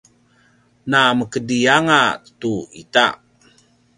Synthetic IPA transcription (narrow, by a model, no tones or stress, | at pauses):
naməkədijaŋatuḭta̰